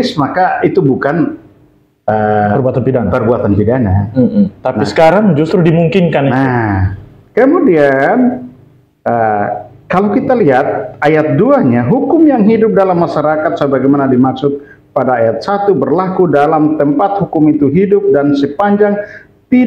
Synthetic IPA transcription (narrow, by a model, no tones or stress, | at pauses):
ɪsmakait̪ubukan | əərbuat̪anpidapərbuat̪anpidanat̪anisə̥kaɾaŋd͡ʒust̪ɾʊhdimuŋkɪnkanna | kəmudian | ə | kalawkit̪aliɦat̪̚ajat̪̚duaɲaɦukʊmjaŋɦidʊp̚dalamːaʃaɾakat̪̚səbaɡajmanadimaksʊk̚ | padaːjat̪̚sat̪ubərlakudalamt̪əmpat̪̚hukʊmit̪uɦidʊp̚dansəpaɲd͡ʒaŋ | t̪i